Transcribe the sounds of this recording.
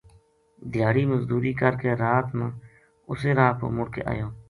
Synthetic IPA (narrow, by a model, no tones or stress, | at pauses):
d̪ʱɪjaːɽiːməzd̪uːɾiːkəɾkeːɾaːt̪mãː | ʊseːɾaːp̪o̰ːmʊɽkḛːʔa̰ːjõː